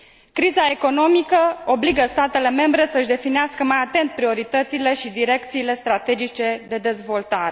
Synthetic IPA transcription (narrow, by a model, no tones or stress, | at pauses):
kɾizae̞ko̞no̞mikəo̞bliɡəst̪at̪e̞le̞me̞mbɾe̞səɨʃd̪e̞fineaskəmajat̪e̞nt̪̚pɾio̞ɾit̪ət̪sile̞ʃid̪iɾe̞k̚t̪siːle̞st̪ɾat̪e̞d͡ʒit͡ʃe̞d̪e̞d̪e̞zvo̞lt̪aɾe